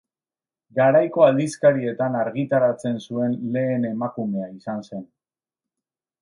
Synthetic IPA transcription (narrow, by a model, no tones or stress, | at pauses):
ɡaɾajko̞ald̪iskaɾie̞t̪anaɾɣit̪aɾat͡se̞nsue̞nle̞ːne̞makume̞aisanse̞n